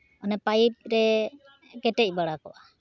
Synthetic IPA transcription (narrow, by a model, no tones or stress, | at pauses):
ɔnɛpajp̚ɾɛ | kɛʈɛc̚ˀbaɽakɔ̰ʔa